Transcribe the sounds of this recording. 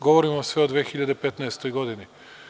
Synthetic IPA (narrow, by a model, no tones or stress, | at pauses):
ɡɔvɔɾimɔsvɛɔd̪vɛxiʎʲad̪ipɛt̪naɛst̪oiɡɔd̪ini